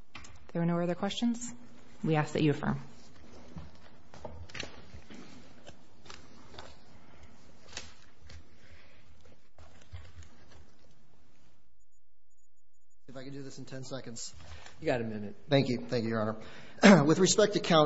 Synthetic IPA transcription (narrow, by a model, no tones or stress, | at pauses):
ðə˞ːnoʊʌðə˞kʰw̥ɛst͡ʃɨ̃nz̥ | wiæstɨ̰t͡ʃɨfə̰̃m | ɨfaɪkɨ̃ndɨðɪsn̩tʰɛ̃nsɛkɨ̃n̩dz̥ | jɨɡɑɾɨmɪ̃nɨt̚θæ̃ŋkjʉθæ̃ŋkjʉ˞ɑnə˞ | wɨðɹɨspɛk̚tɨkʰãʊ̃